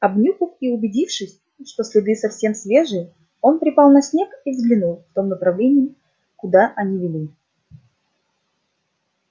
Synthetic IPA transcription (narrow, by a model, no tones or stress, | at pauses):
ɐbnʲuxəfiʊbʲɪdʲifʂɨsʲ | ʂt̪o̞sʲlʲɪd̪ɨsɐfsʲemsʲvʲe̞ʐɨj | o̞npɾʲɪpɑlˠnɐsʲnʲe̞kivzɡlʲɪnulˠft̪o̞mnəpɾɐvlʲenʲɪɪ | kʊd̪aʔɐnʲivʲɪlʲi